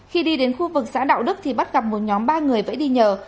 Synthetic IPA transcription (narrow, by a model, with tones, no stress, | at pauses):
xi˧ɗi˧ɗe˨˦nxu˧vɨ˨˩k̚sa̰ː˧˥ɗa̰ː˧˨wɗɨ˦˥k̚t̪ʰi˨˩ɓa˦˥t̚ɣa˨˩p̚mo˨˩t̚ɲɔ˨˦mɓaː˧ŋɨ˨˩əjvə̰ː˧˥jɗi˧ɲəː˨˩